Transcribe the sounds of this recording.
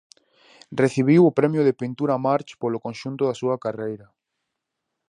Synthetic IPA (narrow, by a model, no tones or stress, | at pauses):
reθiβ̞iwʊpɾɛmjʊðepint̪uɾamaɾt͡ʃpolokõnʃunt̪ʊðasuɐkarejɾɐ